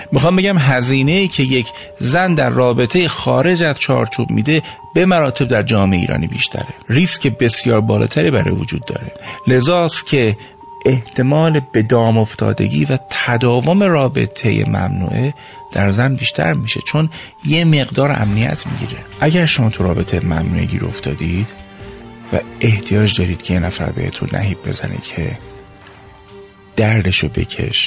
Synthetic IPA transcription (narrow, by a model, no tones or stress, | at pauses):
mixɒːmbe̞ɟæmɦæziːne̞jiːcʰe̞je̞kʰ | zænd̪æɾːɒːbe̞t̪ʰe̞jexɒːɾe̞d͡ʒæzt͡ʃʰɒ̰ːɾt͡ʃʰub̥mḭːd̪e̞ | b̥e̞mæɾɒːt̪ʰe̞b̚d̪æɾd͡ʒɒːmeeiːɾɒ̰ːnḭːbḭːʃt̪ʰæ̰ɾeriscʰe̞be̞sjɒːɾbɒːlʔɒ̰ːt̪ʰæɾibæɾɒ̰ːjevod͡ʒuːd̪̚ːɒ̰ːɾe̞le̞zɒːst̪cʲʰe̞ | eht̪ʰe̞mɒːlebe̞d̪ɒːmoft̪ʰɒ̰ːd̪e̞̰ɟḭːvæt̪ʰæd̪ɒːvo̞me̞rɒːbe̞̰t̪ʰe̞jḛmæ̰mnṵːʔe | d̪̥æɾzænbiːʃt̪ʰæ̰ɾmiʃe̞̰t͡ʃʰon | jeme̞ɣd̪ɒːɾæ̰mnijæ̰t̪ʰmḭɟḭːɾe̞ʔæɟæɾʃo̞mɒːt̪ʰuɾɒːbe̞t̪ʰejemæmnuːʔeɟḭːɾo̞̰ft̪ɒːd̪id̪̥ | væ̰ʔe̞ht̪ʰijɒːd͡ʒd̪ɒːɾiːd̪̥cʰejenæfæ̰ɾbehḛt̪ʰunːæ̰ɦiːb̚be̞̰zænʔḛcʰe̞ | d̪̥æɾd̪e̞ʃobe̞̰cʰe̞̰ʃ